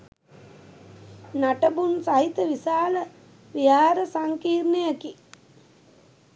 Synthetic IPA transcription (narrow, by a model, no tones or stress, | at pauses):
naʈɐbunsaɦit̪əʋisaːlɐ | ʋiaːɾɐsaŋkiːɾnijɐki